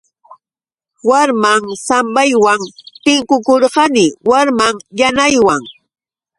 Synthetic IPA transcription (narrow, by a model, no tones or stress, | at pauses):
waɾmaŋsambajwaŋt̪ɪŋkʊkoɾɢɑnɪwaɾmaŋjanajwaŋ